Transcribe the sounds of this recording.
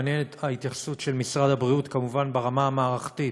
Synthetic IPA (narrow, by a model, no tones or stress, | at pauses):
njenet̪ait̪jaχsutʃe̞lmisʁad̪habʁiut̪kamuvanbeʁamaamaːʁaχt̪i